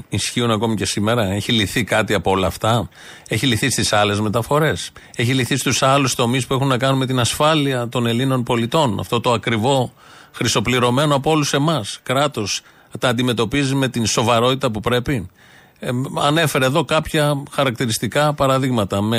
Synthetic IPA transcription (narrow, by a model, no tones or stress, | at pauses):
isçiunɐko̞mice̞sime̞ɾɐe̞çiliθikɐt̪iɐpoo̞lɐːft̪ɐ | e̞çiliθist̪isɐle̞zme̞t̪ɐfo̞ɾe̞s | e̞çiliθist̪usɐlust̪o̞mispue̞xunːɐkɐnunme̞t̪inɐsfɐliɐt̪o̞ne̞lino̞npo̞lit̪o̞nɐ̰ft̪o̞t̪o̞ɐkɾivo̞ | xɾist̪opliɾo̞me̞noɐpooluse̞mɐskɾɐt̪o̞s | t̪ɐːnd̪ime̞t̪o̞pizime̞t̪inso̞vɐɾo̞t̪it̪ɐpupɾe̞pi | ɐne̞fe̞ɾeðo̞kɐpçɐxɐɾɐk̚t̪iɾist̪ikɐpɐɾɐðiɣmɐt̪ɐme